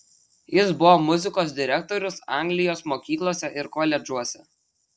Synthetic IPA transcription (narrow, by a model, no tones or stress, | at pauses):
jɪsbʊʋoːmʊzʲɪkoːsd̪ʲɪɾʲɛk̚t̪ɔɾʲʊsɑ̰ˑŋʲɡlʲɪjoːsmoːkʲiːklˠoːsʲɛʔɪɾkoːlʲɛd͡ʒuɔsʲɛ